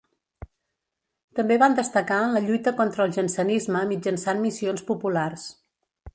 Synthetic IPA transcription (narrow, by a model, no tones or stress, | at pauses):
t̪əmbeβand̪əst̪əkaənləʎujt̪əkɔnt̪ɾəlˠʒənsənizməmid͡ʒənsanmisionspupulars